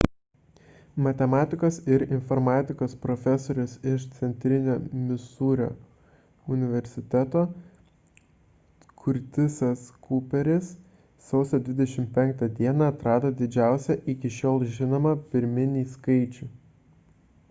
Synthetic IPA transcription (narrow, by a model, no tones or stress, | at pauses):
mɐt̪ʲɛmɑːt̪ʲɪkoːsɪɾɪnfɔɾmɑːt̪ʲɪkoːspɾɔfʲɛsoːɾʲʊsɪʃt̪sʲɛnʲt̪ʲɾʲɪnʲoːmʲɪsuːɾʲo̰ː | ʊnʲɪʋʲɛɾʲsʲɪt̪ʲæt̪oː | kʰʊɾʲt̪ʲɪsɐskʰupʲɛɾʲɪsː | ɒʊsʲoːd̪ʲʋʲɪd̪ʲɛʃʲɪmʲpʲɛŋk̚t̪ɐd̪ʲiɛnɑɐt̪ɾɑːd̪oːd̪ʲɪd͡ʒʲæˑʊsʲɛʔɪkʲɪʃʲoːlˠʒʲɪnoːmɐpʲɪɾʲmʲɪnʲiːskɐɪt͡ʃʲuː